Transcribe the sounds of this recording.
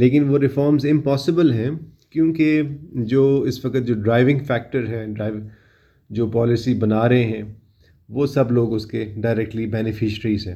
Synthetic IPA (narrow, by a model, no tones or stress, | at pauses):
leːkɪnʋoːɾɪfɔːɾmzɪ̃mpɔːsɪbəlɦɛ̃ːkjũːked͡ʒoːɪsʋɐkət̪̚d͡ʒoːɖɾaːɪʋɪ̃ŋɡfɛːk̚ʈəɾɦɛːɖɾaːɪʋ | d͡ʒoːpɔːlɪsibɐnaːɾɐɦẽɦɛ̃ː | ʋoːsɐbloːɡʊskeɖaːɪɾɛk̚ʈlibɛːnɪfɪʃəɾiːzɦɛ̃ː